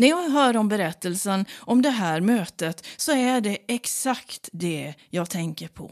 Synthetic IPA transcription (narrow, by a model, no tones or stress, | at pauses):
næɾjɑːɡɦœːɾɔmbɛɾɛt̪ːəlsənɔmd̪ɛɦæːɾmøːt̪ət̪sɔæɖɛɛksakt̪d̪ɛjɑːɡt̪ʰɛŋkəɾpʰɔ̰